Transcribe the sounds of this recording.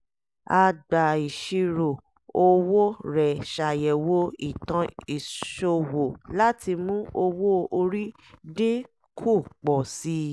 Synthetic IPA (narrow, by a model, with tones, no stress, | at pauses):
a˧ɡ͡ba˨i˨ʃi˧ɾo˨ | o˧wo˦ɾɛ˨ʃa˨jɛ˨wo˧˦i˨tã˧i˨ʃo˧wo˨la˦ti˧mũ˦o˧wo˦o˧ɾi˦ | de˦ | kʰu˦˨k͡pɔ˨si˦